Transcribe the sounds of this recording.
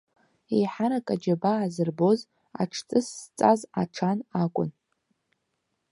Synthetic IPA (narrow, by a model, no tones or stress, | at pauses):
ejħaɾakʼad͡ʒabaːzɨrbo̞z | a̰ʈ͡ʂʰt͡sʼɨsːt͡sʼaza̰ʈ͡ʂʰanakʷʼʊ̰n